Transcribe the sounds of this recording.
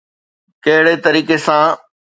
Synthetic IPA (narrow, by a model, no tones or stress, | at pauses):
kɐɦɪɽet̪ɐɾiːkesãː